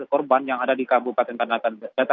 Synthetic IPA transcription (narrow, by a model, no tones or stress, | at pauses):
kɔrbanjaŋadadikabupat̪ɛnk̪andat̪adat̪a